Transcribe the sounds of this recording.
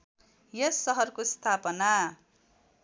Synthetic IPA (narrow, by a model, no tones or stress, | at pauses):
jʌssʌɦʌrkost̪ʰapʌna